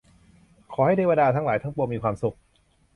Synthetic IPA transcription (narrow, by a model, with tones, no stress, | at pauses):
kʰɔː˩˦ha˥˩jda˥˩jwaː˧daː˧t̪ʰa˦˥ŋlaː˩˦jt̪ʰa˥˩ŋpu˧ɐmiː˧kʰwaː˧msu˨˩k̚